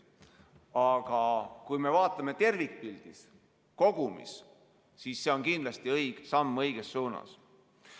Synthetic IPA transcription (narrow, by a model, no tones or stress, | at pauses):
ɑɡ̥ɑkujme̞vɑːt̪ːˑɑme̞t̪e̞rvik̚pild̪̥is | ko̞ɡ̥umḭs | sisːe̞o̞nkind̪lɑst̪iɤjɡ̥sɑmːɤjɡ̥esːuːnɑ̰s